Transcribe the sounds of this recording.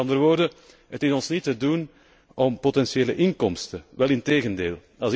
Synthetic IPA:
ɑndərəʋoːrdə | ɦətɪzɔnsnitədun | ɔmpotɛnsjeːləʔɪŋkɔmstəʋɛlˠɪnteːɣəndḛːlˠ | ɑlˠz

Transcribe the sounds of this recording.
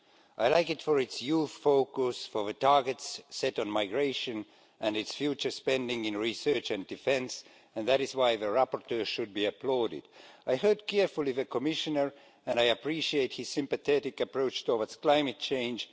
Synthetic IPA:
ʔaɪlaɪkɨtfəɹɨtsjuθfoʊkʊsfəðɨtʰɑɹɡɨtsːɛɾ̃n̩maɪɡɹeɪʃɨ̃n | ʔæ̃nɨtsfjut͡ʃə˞spɛ̃ndɪ̃ŋɪ̃nɹisɜ˞t͡ʃɨ̃ndɨfɛ̃ns | ɨ̃nðæɾɨzwaɪðɨɹapəɹtʰɜ˞ʃʊd̚biɨpʰloɾɪ̰daɪhɜ˞d̚kʰɛɹfulˠivɨkʰɔmɪʃɨnə˞ | ɨ̃naɪɨpʰɹiʃieɪt̚hɨz̥sɪ̃mpɨθɛɾɪkɨpɹoʊt͡ʃtʰɔvətskl̥ãɪ̃mɨt̚t͡ʃʰẽɪ̃nd͡ʒ

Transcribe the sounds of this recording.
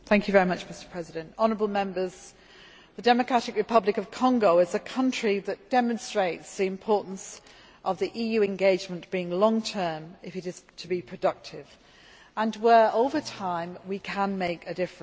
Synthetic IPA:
θæ̃ŋkjɨvɛɹimʌt͡ʃmɪstə̥pʰɹ̥ɛzɪdɨ̃ntɑnəɹəbəlˠmɛ̃mbəz̥ | ðədɛməkʰɹ̥aɾɪkɹɨpʰʌblɪkəv̥kʰɒ̃ŋɡoʊɪzəkʰʌ̃nt͡ʃɹ̥iðət̚d̥ɛmə̃nstɹ̥eɪtsðiɪ̃mpʰɔˑɹʔn̩s | ʔəvðiʔiːjʉɛ̃nɡeɪd͡ʒmə̃nb̥iɪ̃ŋlɒ̃ŋtʰɜːmɪfɨɾɪz̥tʰəbipʰɹ̥ədʌk̚tʰɪv | ə̃nwə˞ʔoʊvətʰãɪ̃mwikʰə̃nmeɪkɨdɪfɹ̃

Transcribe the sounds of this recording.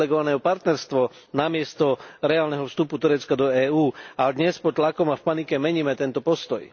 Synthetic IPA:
ɛɡɔʋanɛːɦɔpaɾt̪nɛɾst̪ʋɔ | namɪɛst̪ɔɾɛaːlnɛɦɔfst̪uput̪uɾɛt͡skad̪ɔɛːuːad̪ɲɛspɔtt̪lakɔmafpanikɛmɛɲiːmɛt̪ɛnt̪ɔpɔst̪ɔj

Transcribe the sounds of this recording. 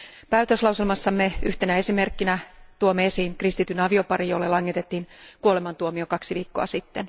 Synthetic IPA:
pæyt̪øslɑwselmɑsːɑmːeyht̪enæe̞sime̞rkːinæt̪uomːeesiːŋkrist̪it̪ynɑʋio̞pɑrijolːelɑŋːet̪et̪ːiːnkuolemɑnt̪uomiokɑksiʋiːkːo̞̰ɑ̰sit̪ːen

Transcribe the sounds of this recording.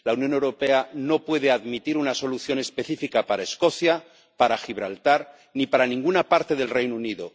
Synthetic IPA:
launjo̞ne̞wɾo̞pe̞ano̞pwe̞ð̞e̞aðmit̪iɾunaso̞luθjo̞nespe̞θifikapaɾaesko̞θja | paɾaxiβ̞ɾalt̪aɾ | nipaɾanĩŋɡunapaɾt̪e̞ð̞e̞lre̞jnouniðo

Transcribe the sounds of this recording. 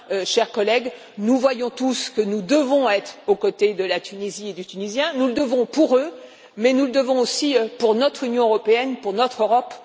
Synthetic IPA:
øʃɛʁkɔlɛɡ | nuvwajɔ̃t̪uskənud̪əvɔ̃ɛt̪χokot̪ed̪əlat̪ynezied̪yt̪ynizjɛ̃nuləd̪əvɔ̃puʁø | mɛnuləd̪əvɔ̃osiøpuʁnɔt̪χynjɔ̃øʁɔpeɛnpuʁnɔt̪χøʁɔp

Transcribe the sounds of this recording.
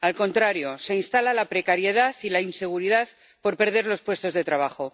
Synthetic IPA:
alko̞nt̪ɾaɾjo̞se̞inst̪alalapɾe̞kaɾje̞ð̞aθilainse̞ɣ̞uɾiðaθ | po̞ɾpe̞ɾð̞e̞ɾlo̞spwe̞st̪o̞zðe̞t̪ɾaβ̞axo̞

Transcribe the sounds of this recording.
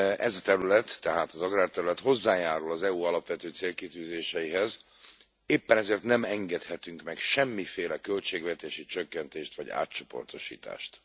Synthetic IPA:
ʔɛzɒt̪ɛɾylɛt̪ːɛɦaːt̪ɒzɒɡraːrt̪ɛɾylɛt̪ho̞zːaːjaːɾulɒzɛuɒlɒpʋɛt̪øːt̪seːlkit̪yːzeːʃɛjiɦɛz | eːpːɛnɛzeːrt̪nɛmɛŋɡɛt̪hɛt̪yŋkmɛkʃɛmːifeːlɛkølt͡ʃeːɡvɛt̪eːʃit͡ʃøkːɛnt̪eːʃt̪ʋɒ̰ɟa̰ːtt͡ʃo̞po̞̰rt̪o̞ʃḭːt̪a̰ːʃt̪

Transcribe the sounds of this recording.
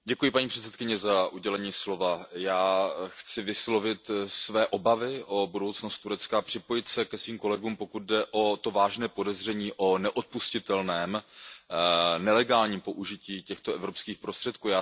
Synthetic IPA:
ɟɛkujɪpaɲiːpr̝̥ɛt̪t͡sɛt̪kɪɲɛzaʔuɟɛlɛɲiːslo̞vajaːxt͡sɪvɪslo̞vɪt̪svɛːʔo̞bavɪʔo̞budo̞wt͡snost̪ːuɾɛt͡skapr̝̥ɪpojɪt̪sɛkɛsviːmko̞lɛɡuːmpo̞kud̪̚dɛʔo̞t̪o̞vaːʒnɛːpo̞dɛzr̝ɛɲiːʔo̞nɛʔot̪̚puscɪt̪ɛlnɛːm | nɛlɛɡaːlɲiːmpo̞ʔuʒɪciːcɛxt̪oʔɛvɾopskiːxpɾost̪r̥ɛt̪̚kuːjaː

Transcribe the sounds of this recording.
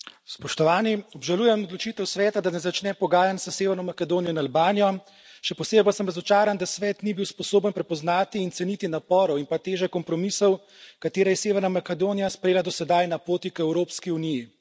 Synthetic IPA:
spɔʃt̪ɔʋaːniɔbʒalujɛmɔd̪lɔt͡ʃit̪ɛwsʋɛːt̪ad̪anɛzat͡ʃnɛpɔɡaːjansəseːʋɛɾnɔmakɛd̪oːnijɔinalbaːnijɔ | ʃɛpɔseːbipasəmɾɐzɔt͡ʃaːɾand̪asʋɛːt̪nibiwspɔsoːbənpɾɛpɔznaːt̪iːnt̪sɛnit̪inapɔːɾɔwinpat̪eːʒɛkɔmpɾɔmisɔw | kat̪eːɾajɛseːʋɛɾnamakɛd̪oːnijaspɾejeːlad̪ɔsɛd̪ajnapoːt̪ikɛwɾoːpskiuniji

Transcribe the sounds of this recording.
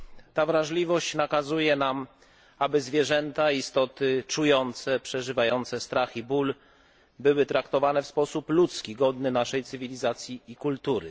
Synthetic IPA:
t̪avɾaʐlʲivɔɕt͡ɕnakazujɛnam | abɘzvʲjɛʐɛnt̪aist̪ɔt̪ɘt͡ʂujɔnt̪sɛpʂɛʐɘvajɔnt̪sɛst̪ɾaxibul | bɘwɘt̪ɾakt̪ɔvanɛfspɔsuplut̪skʲiɡɔd̪nɘnaʂɛjt̪sɘvʲilʲizat̪sʲjiːkult̪uɾɘ

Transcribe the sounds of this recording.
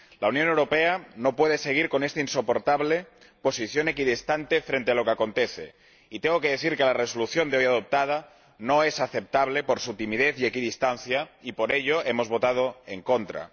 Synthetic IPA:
launjonewɾo̞peanopweðeseɣ̞iɾko̞nest̪ainsopo̞ɾt̪aβle | po̞siθjonekiðest̪ant̪efɾent̪ealo̞keako̞nt̪eθḛ | it̪eŋɡokeðeθiɾkelaresoluθjo̞nd̪eojað̞op̚t̪að̞a | noesaθep̚t̪aβ̞lepoɾsut̪imiðeθiekiðist̪an̟θjaipoɾeʎoʔemo̞zβo̞t̪að̞oeŋkont̪ɾa̰

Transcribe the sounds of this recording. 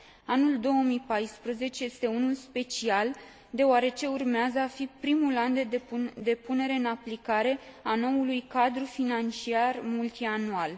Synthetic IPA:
anuld̪o̞wəmipajspɾəze̞t͡ʃe̞je̞st̪e̞unulspe̞t͡ʃial | d̪e̞oaɾe̞t͡ʃe̞urmeazəafipɾimuland̪ed̪e̞pune̞ɾe̞ɨnaplikaɾe̞ano̞wulujkad̪ɾufinant͡ʃiarmult̪ianual

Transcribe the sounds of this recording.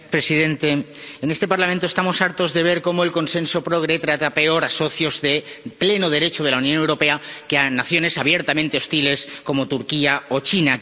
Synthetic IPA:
pɾe̞sið̞ẽ̞nt̪e̞enest̪e̞paɾlament̪ost̪amo̞saɾt̪o̞zðe̞β̞e̞ɾkomoe̞lko̞nse̞nso̞pɾo̞ɣ̞ɾe̞t̪ɾat̪ape̞o̞ɾaso̞θjo̞zðeple̞noð̞e̞ɾe̞t͡ʃoð̞elaunjõnewɾo̞pe̞akeanaθjo̞ne̞saβjeɾt̪amẽnt̪e̞o̞st̪ile̞sko̞mo̞t̪uɾkiao̞t͡ʃina

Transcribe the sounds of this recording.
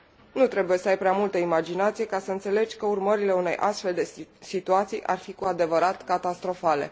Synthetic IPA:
nut̪ɾe̞buje̞səajpɾeamult̪əimad͡ʒinat̪sije̞kasəɨnt̪se̞le̞d͡ʒʲkəurməɾile̞une̞̰jʔa̰st̪fe̞ld̪e̞sit̪uat̪sijʔa̰rfikuad̪e̞vəɾat̪kat̪ast̪ɾo̞fale̞̰

